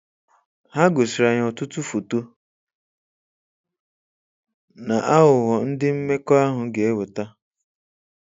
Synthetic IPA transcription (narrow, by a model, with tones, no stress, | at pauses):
ha˦ɡo˨sɪ˨ɾa˨ɲ˨ɔ˨tʊ˦tʊ˦fo˨to˦ | na˨ʔa˦ɦʊ˨ɦɔ˨n̩˦dɪ˦m̩˦me˦kɔ˦a˦ɦʊ˨ɡe˨e˦wʊ˨ta˦